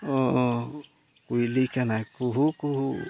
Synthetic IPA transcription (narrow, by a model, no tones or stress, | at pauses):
o | kuilikanakuɦukuɦu